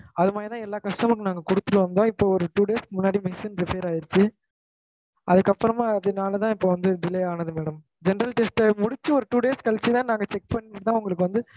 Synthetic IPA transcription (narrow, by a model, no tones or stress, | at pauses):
ɐðɯmaːd̪ɾit̪ãːɛlːaːkɐsʈɐkːɯnaːŋɡɐkʊɽɯt̪ːɯɾɯʋɐnd̪õːɪpːoːɔɾɯʈuːɽeːskɯmʊnːaːɽimɪsinɾɪpeːɾaːjɪɾɯt͡ʃːɯ | ʔɐðɯkːɐpːɐɾɐmaːɐðɯnaːlɐt̪ãːɪpːoːʋɐnd̪ɯɖ̪ɪlɛjaːnɐðɯmeːɽɐm | d͡ʒɛnɐɾɐlʈɛsʈmʊɽɪt͡ʃːɯɔɾɯʈuːɽeːskɐlt͡ʃːit̪ãːnãːŋɡɐt͡ʃɛk̚pɐɳːɪʈɯt̪ãːʊŋɡɐɭɯkːɯʋɐnd̪ɯ